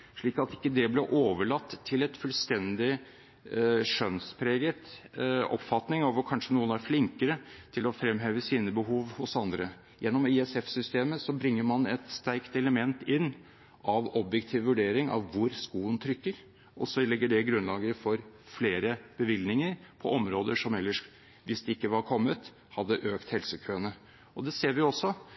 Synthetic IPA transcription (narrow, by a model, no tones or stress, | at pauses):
ʂɭiːkɑt̪ɪ̥kːəd̪ɛblɛʔoːʋəɭɑt̪ʰːɪlɛt̪fʉlst̪ɛnd̪ɪ | ʂœnspʰɾeːɡət̪ɔ̰pfɑt̪nɪŋɑʋʊkʰɑnʂənuːənæɾflɪŋkəɾət̪ʰɪlɔfɾɛmɦeːʋəsiːnəbəɦuːʋhʊsɑnd̪ɾə̰ | jɛnːɔmɪɛsɛfsʏst̪eːməsɔbɾɪŋːəɾmɑnɛt̪st̪æɪkt̪ɛləmɛnt̪ɪnː | ʔɑʋɔbjɛkt̪ʰiːʋʋʉɖeːɾɪŋɑ̰ʋːʊɾskuːənt̪ʰɾʏkːəɾ | ʔɔsɔlɛɡːəɖɛɡɾʉnlɑːɡəɾfɔɾfleːɾəb̥əʋɪlnɪŋəɾpʰɔʔɔmɾoːd̪əʂɔmɛlːəʂ | ʋɪsd̪ɛɪkːəʋɑɾkʰɔmːət̪ | hɑd̪ːəʔøːkt̪hɛlsəkʰøːnə | ɔd̪ɛseːɾʋɪɔsːɔ